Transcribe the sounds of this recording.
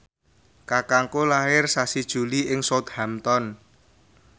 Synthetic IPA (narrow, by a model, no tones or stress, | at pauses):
kakaŋkolaɪrsasid̥ʒ̥ṳliɪŋsɔt̪̚hamt̪ɔn